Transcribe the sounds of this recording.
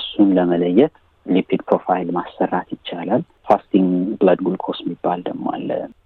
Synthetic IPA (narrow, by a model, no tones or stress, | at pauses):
əsunləmələjːɛt̪ | lipʰid̪pʰɾofajlmasːərːat̪jɪt͡ʃːalal | fast̪iŋɡbləd̪ɡulkʰosmibːald̪əmːo̰a̰lːə̰